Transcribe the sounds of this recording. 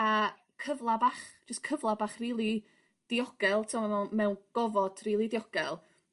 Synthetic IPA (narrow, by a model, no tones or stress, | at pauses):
a | kʰəvlˠabaːχd͡ʒəskʰəvlˠabaːχriːlˠi | d̥ɪɔɡ̥ɛlˠtʰɪmɔnɛmɛwnɡ̥ɔvɔd̥riːlˠidɪɔɡ̥ɛlˠ